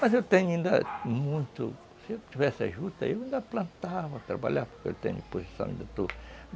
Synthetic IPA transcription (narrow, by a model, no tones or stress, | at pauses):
mɐzewt̪ẽɲʊĩnd̪ɐ̰mũj̃t̪ʊ | sɪewt̪ivɛsɪa̰ʒut̪ɐ̰ewĩnd̪aplɐ̃nt̪aɐt̪ɾabaʎaɾpoɾkeḛwt̪ḛ̃ɲʊpose̥sɐ̃w̃ḭ̃nd̪ɐt̪u